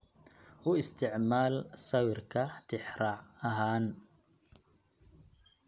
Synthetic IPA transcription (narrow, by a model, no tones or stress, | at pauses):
ʔʊɪst̪ʰɪʕmaːlsɐwɪrkʰɐt̪ʰɪħɾɑːʕɐɦaːn